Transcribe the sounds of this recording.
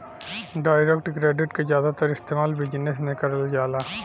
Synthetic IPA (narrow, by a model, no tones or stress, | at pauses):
ɖaːjɾekʈkɾeːɖɪʈkazjaːd̪at̪ɐɾɪst̪eːmaːlbɪd͡ʒnesmẽkɐɾəld͡ʒaːlaː